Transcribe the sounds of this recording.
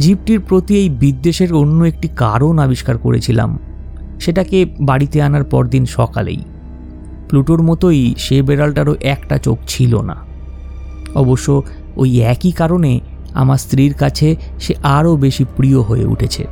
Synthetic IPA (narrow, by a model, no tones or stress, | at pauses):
d͡ʑip̚ʈiɾpɾot̪iejbid̪ːeʃeɾonːoek̚ʈikaɾonabiʃkaɾko̰ɾḛt͡ɕʰila̰m | ʃeʈakebaɽit̪eanaɾpɔ̰ɾd̪inʃɔka̰lḛj | pluʈoɾmɔt̪ojʃebeɾalʈaɾoʔɛkʈat͡ɕok̚t͡ɕʰilo̰na̰ | ɔ̰boʃːo | ojɛkikaɾone | a̰maɾst̪ɾiɾkat͡ɕʰe | ʃeʔaɾobeʃipɾioɦojḛṵʈʰet͡ɕʰḛ